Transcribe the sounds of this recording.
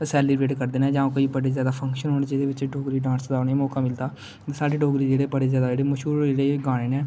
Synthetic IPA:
sɛːliɾeːʈkəɾd̪eːnɛ̃ːd͡ʒãːkoːiːbəɽeːzjaːd̪aːpʰəŋkʃənɦoːnːt͡ʃed̪eːʋɪt͡ʃɖoːɡɾiːɖãːnsd̪aːnemɔːkaːmɪld̪aː | t̪ːsaːɖeːɖoːɡɾiːd͡ʒeːɽeːbəɽeːzjaːd̪aːd͡ʒeːɽeːməʃuːɾd͡ʒeːɽeːɡaːɽ̃eːnɛː

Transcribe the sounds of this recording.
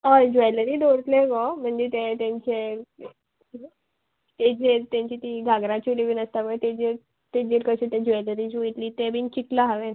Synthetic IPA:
ad͡ʑeləɾiːd̪oɾt̪leɡɔm̤əɳd͡ʑet̪ẽt̪jãɲt͡ɕe | t̪ed͡ʑeɾt̪jãɲt͡ɕiːt̪iɡʱaɡɾãt͡ɕiliʋiːnəst̪aʋət̪ed͡ʑiɾ | t̪ed͡ʑiɾkəɕet̪ẽd͡ʑeləɾid͡ʑuit̪liːt̪ebiːnt͡ɕiklaɦaʋen

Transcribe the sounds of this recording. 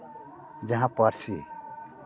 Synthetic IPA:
d͡ʒəɦãpəɾt͡ʃʰi

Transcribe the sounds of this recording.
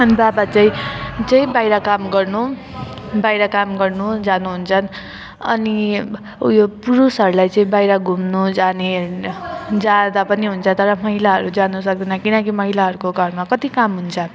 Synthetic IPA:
ʌnibabat͡saĩt͡sʌĩbajɾʌkamɡʌrnu | bajɾʌkamɡʌrnud͡zanuɦunt͡sʰʌn | ʌ̰ni | jopuɾusɦʌɾulajt͡sʌĩbajɾʌɡʱumnud͡zane | d͡zad̪apʌniɦunt͡sʰʌt̪ʌɾʌmʌɦilaɦʌɾud͡zanusʌk̚d̪ʌnakinʌkimʌɦilaɦʌɾukoɡʱʌrmakʌt̪ikamɦunt͡sʰʌ

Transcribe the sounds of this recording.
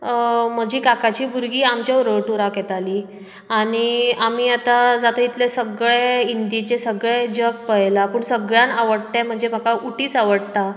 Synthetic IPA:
m̤əd͡ʑiːkakat͡ɕiːbuɾɡiːamt͡ɕjauɾəwʈuɾakjɛt̪aliː | aɽ̃iamiːat̪ad͡zat̪ait̪lesəɡɭeind̪it͡ɕesəɡɭed͡ʑək̚pəjlapuːɳsəɡɭjanaʋəɽt̪ãm̤əɳd͡zeməkaʔuʈiːt͡saʋəɽt̪a

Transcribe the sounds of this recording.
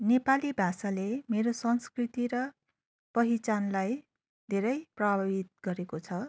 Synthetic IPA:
nepalibʱasalemeɾosʌnskrit̪iɾʌ | pʌɦit͡sanlaj | d̪ʱeɾʌjprʌbbʱabit̪̚ɡʌɾekot͡sʰʌ

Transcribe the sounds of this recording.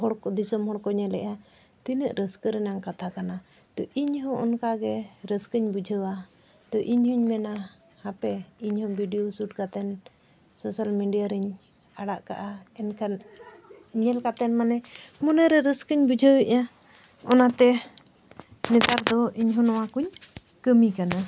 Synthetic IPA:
ɦɔɽkɔd̪isɔmɦɔɽkɔɲɛlɛ̰ʔa | t̪inəʔɾəskəɾɛnaŋkat̪ʰakana | t̪ɔʔiɲɦɔ̃ʔɔnkaɡɛɾəskəɲbud͡ʒʱəwa | t̪ɔʔiɲhuɲmɛna | hapɛiɲhɔ̃bʱiɖijosuʈ̚kat̪ɛn | sɔsalmiɖijaɾəɲ | aɽaʔka̰ʔaɛnkan | ɲɛlkat̪ɛnmanɛmɔnɛɾɛɾəskəɲbud͡ʒʱəwɛʔa | ɔnat̪ɛ | nɛt̪aɾd̪ɔiɲɦɔ̃nɔwakuɲ | kəmikana

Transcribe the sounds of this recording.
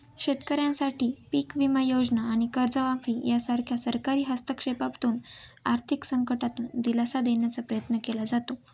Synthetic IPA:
ɕet̪kəɾjãnsaʈʰiːpiːkʋimajod͡znaːɽ̃ikəɾd͡zəʋãfiːjasaɾkʰjasəɾkaɾiːɦast̪əkʂepapt̪uːnaɾt̪ʰiksəŋkəʈat̪uːnd̪ilasad̪eɳjat͡sapɾəjət̪nəkelad͡zat̪o

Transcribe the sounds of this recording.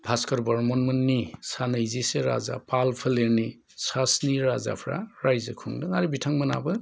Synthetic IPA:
bʰʱaskɔɾbɔɾmɔnmɯnːisanɐjziseɾa̰za̰palpʰɯleɾni | sasniɾaza̰pʰɾa̰ɾajzɯkʰɯŋdɯŋaɾibitʰaŋmɐna̰bɯ

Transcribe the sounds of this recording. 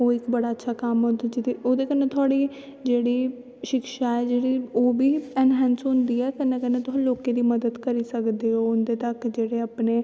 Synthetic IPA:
oːɪkbəɽaːətːʃʰaːkamõnd̪ed͡ʒɪt̪eoːd̪eːkənːẽːt̪ʰʊaːɽiː | d͡ʒeːɽiː | ʃɪkʃaːɛːd͡ʒeːɽiːoːbiːɛnɦɛ̃ːnsʊ̃nd̪iːɛːkənːẽkənːẽːt̪ʊloːkeːd̪iːməd̪əd̪kəɾiːsəkd̪eːɦoːʊnd̪eːt̪əkd͡ʒeːɽeːəpneː

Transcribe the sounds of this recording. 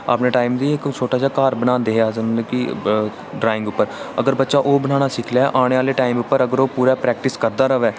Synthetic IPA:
ə̰ːpneːʈaːimd̪iːɪkt͡ʃʰoːʈaːt͡ʃaːkaːɾbənãːnd̪eːɦeːaːzənːkiː | ɖɾaːɪ̃ŋɡʊpːəɾəɡəɾbətːʃaːʔoːbəñãːñaːsɪkʰljaːʔaːɽ̃eːaːleːʈaːimʊpːəɾəɡəɾoːpuːɾaːpɾɛːk̚ʈɪskəɾd̪aːɾəʋɛː

